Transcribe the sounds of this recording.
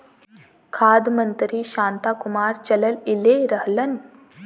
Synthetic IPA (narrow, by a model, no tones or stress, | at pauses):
kʰaːd̪mənt̪ɾiːɕãːnt̪akumaːɾt͡ʃɐləlileɾəɦlən